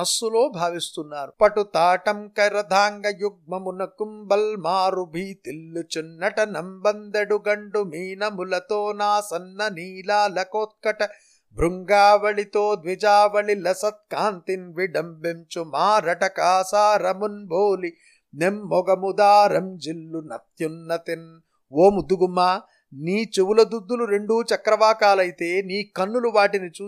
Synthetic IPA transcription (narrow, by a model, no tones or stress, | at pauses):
ɐsuloːbʱaːʋist̪unːaːɾupɐʈut̪aːʈɐmkɐɾɐd̪ʱaːŋɡɐjuɡ̚mɐmunɐkumbɐlmaːɾubʱiːt̪ilːut͡ʃunːɐʈɐnɐmbɐnd̪eɽuɡɐɳɖumiːnɐmulɐt̪oːnaːsɐnːɐniːlaːlɐkoːt̪̚kɐʈɐ | bʱɾuŋɡaːʋɐɭit̪oːd̪ʋid͡ʒaːʋɐɭilɐsɐt̪̚kaːnt̪inʋiɖɐmbemt͡ʃumaːɾɐʈɐkaːsaːɾɐmunbʱoːli | nemːɔɡɐmud̪aːɾɐmd͡ʒilːunɐ̰t̪junːɐt̪in | oːmud̪uɡumːaː | niːt͡ʃewulɐd̪ud̪ːuluɾe̞ɳɖuːt͡ʃɐkɾɐʋaːkaːlɐjit̪eːniːkɐnːuluʋaːʈinit͡ʃuː